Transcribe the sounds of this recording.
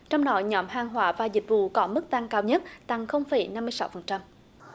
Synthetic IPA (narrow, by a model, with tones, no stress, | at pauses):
t͡ɕɔ˧wŋ͡mɗɔ˨˦ɲɔ˨˦mɦaː˨˩ŋɦwaː˧˦vaː˨˩zï˨˩k̟̚vṵ˧˨kɔ˨˦mɨ˦˥k̚t̪a˧ŋkaː˧wɲə˦˥t̚t̪a˨˩ŋxə˧wŋ͡mfə˧˩˦jna˧mːɨ˧sa̰˨˧˦wfə˨˩nt͡ɕa˧m